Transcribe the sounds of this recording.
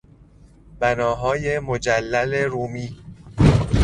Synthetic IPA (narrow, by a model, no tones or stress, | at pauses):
b̥ænɒːɦɒːjemod͡ʒælːæle̞ɾuːmiː